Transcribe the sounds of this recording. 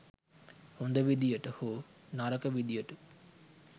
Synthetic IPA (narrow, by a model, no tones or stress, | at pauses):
hund̪ɐʋid̪ijəʈəhoːnaɾəkəʋid̪ijəʈə